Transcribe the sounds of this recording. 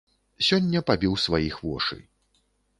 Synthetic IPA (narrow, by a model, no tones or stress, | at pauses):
sʲɔnʲːɐpabʲiwsvajixvɔ̰ʂɨ̰